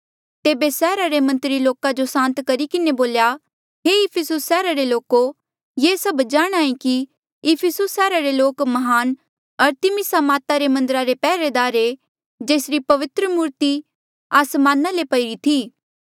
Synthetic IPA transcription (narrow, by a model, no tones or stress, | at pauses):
t̪eːbesɛːɾaɾemɐ̃nt̪ɾiloːkad͡ʒosãːnt̪kɐɾikɪneboːlja | ɦeɪpʰɪsʊsːɛːɾaɾeloːko | jeːsɐbd͡ʒaːɽ̃aːĩki | ɪpʰɪsʊsːɛːɾaɾeloːkmɐɦaːn | ɐɾt̪ɪmɪsamaːt̪aɾemɐ̃nd̪əɾaɾepɛːɾed̪aːɾe | d͡ʒeːsɾipɐʋɪt̪ɾəmuːɾt̪i | aːsmãːnalepɐɪɾit̪ʰiː